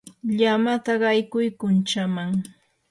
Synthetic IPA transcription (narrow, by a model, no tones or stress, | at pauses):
ʎamat̪aɢɑjkʊjkʊnt͡ʃamaŋ